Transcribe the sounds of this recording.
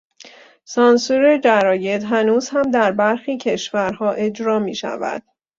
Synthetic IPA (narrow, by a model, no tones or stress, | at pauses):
sɒnsuɾed͡ʒæɾɒːje̞d̪ɦænuːzhæmd̪æɾbæɾxiːcʰe̞ʃvæɾɦɒːʔe̞d͡ʒɾɒːmiːʃæ̰væ̰d̪̥